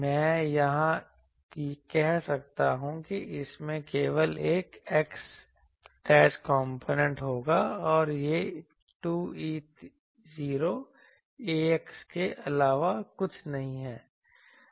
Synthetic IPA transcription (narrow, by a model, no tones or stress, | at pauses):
mɛ̃ːjɐɦã | kikɛɦsɐk̚t̪aɦũkiʔɪsmẽkeːʋəleːkeks | ʈɛːskɔ̃ːmpʰoːnẽɳʈɦoːɡaɔːɾje | ʈuːiːt̪ | ziːɾo | eːekskeʔɐlaːʋakʊt͡ʃʰnɐɦĩɦɛː